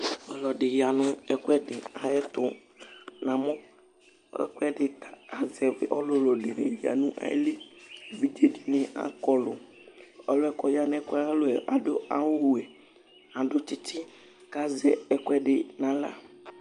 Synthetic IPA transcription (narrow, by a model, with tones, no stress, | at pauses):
ɔ˨˦lɔ˨ɖɪ˨ji˨a˨nʊ̃˦ɛ˨kwɛ˦ɖɪ˨a˨je˦t̪ʊ˦ | nã˨mɔ̰̃˦ | ɛ̰˦kɛ˦ɖɪ˨t̪a˨a˨zɛ˨ve˦ʔɔ˦lo˦lɔ˨ɖɪ˨nḛ˨ji˨a̰˨nũ˦ʔa̰˨jḛ˦le˦˨vi˦d͡ʒe˦di˨nɪ̃˦a̰˦kɔ˦lʊ̰˨ | ɔ̰˦lo˦ɛ˦kɔ˦ja˨nɛ̃˦ka˦lo˦ɛ˨ʔa˨ɖo˦a̰˨wo˦wu˨ɛ˨ | ã˨ɖʊ˦t͡ʃi˦t̪i˦ | ka˦zɛ˨ɛ˨kʷɛ˦ɖɪ˨nã˦la̰˦˨